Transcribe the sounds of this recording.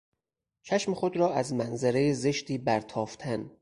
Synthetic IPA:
t͡ʃʰæʃmexod̪ɾɒːʔæzmænzæɾejezeʃt̪iːbæɾt̪ʰɒːft̪ʰæn

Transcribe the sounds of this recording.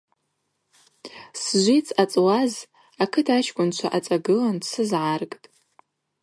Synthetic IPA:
sʒʷit͡sʰat͡sʼwaz | akʰɨtʰat͡ʃʰkʷʼʊnt͡ʃʷʰaʔat͡sʼaɡɨlansɨzʕarkʼtʼ

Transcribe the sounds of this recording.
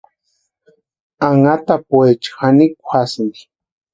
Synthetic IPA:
aŋat̪apwet͡ʃxanikʷʰasnd̪i

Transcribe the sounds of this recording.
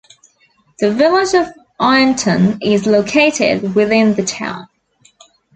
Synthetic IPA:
ðəvɪlɪd͡ʒəv | ʔaɪə̃ntʰə̃nɪzləʊkʰeɪtɪ̰d̚wɪðɪ̃nðətʰã̰ʊ̃n

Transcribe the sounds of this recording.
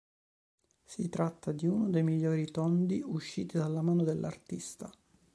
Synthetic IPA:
sit̪ɾat̪ːad̪iunod̪ejmiʎːoːɾit̪ɔnd̪iuʃːiːt̪id̪alːamaːnod̪elːʔa̰rt̪ist̪a

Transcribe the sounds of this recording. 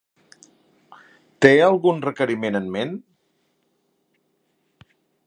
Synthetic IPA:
t̪eəlˠɣunrəkəɾimenənmen

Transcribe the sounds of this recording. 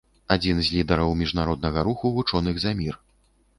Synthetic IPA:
ad͡zʲinzʲlʲid̪ɐɾɐwmʲiʐnaɾɔd̪nɐɣɐɾuxuvut͡ʂɔnɨɣzamʲir

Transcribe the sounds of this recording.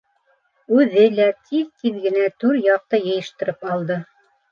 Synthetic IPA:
ʉðɘlæt̪ʰiðt̪iðɡɘ̆næt̪ʉɾjɑq̚t̪ɤjɤ̆jɤ̆ʃt̪ɤ̆ɾɤpɑlˠd̪ɤ

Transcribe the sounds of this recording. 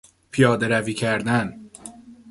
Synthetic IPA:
pʰijɒːd̪e̞ɾæviːcʰæɾd̪æn

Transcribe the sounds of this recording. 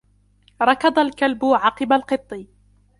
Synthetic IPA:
ɾˤɑkɑd̪ˤalkalbʊʕɑqɨbalqɨt̪ˤːɨ

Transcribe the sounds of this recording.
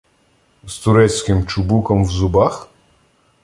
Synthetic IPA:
z̥t̪ʊɾɛt͡sʲkɪmt͡ʃʊbukɔmwzʊbax

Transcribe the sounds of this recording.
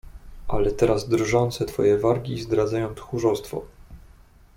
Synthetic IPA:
ʔalɛt̪ɛɾazd̪ɾʐɔnt̪sɛt̪fɔ̰jɛvaɾɡʲizd̪ɾad̪zajɔ̃w̃t̪xuʐɔst̪fɔ̰

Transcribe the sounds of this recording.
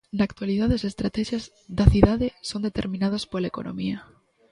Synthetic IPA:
nakt̪waliðaðesest̪ɾat̪ɛʃjaz | ðaθiðaðesond̪et̪eɾmĩnað̞aspolaeko̰no̰mia

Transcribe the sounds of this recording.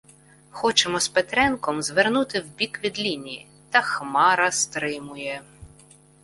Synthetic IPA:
xɔt͡ʃɛmɔspet̪ɾɛnkɔmzʋernut̪ɪwbʲikʋʲid̪lʲinʲii | t̪ɐxmɑɾɐst̪ɾɪmʊjɛ

